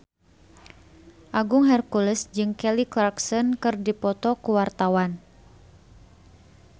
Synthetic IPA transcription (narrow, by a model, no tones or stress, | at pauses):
ʔaɡʊŋɦɛrkulɛsd͡ʒɨŋkɛliklarksɔnkɨrdipɔt̪ɔkuwart̪awan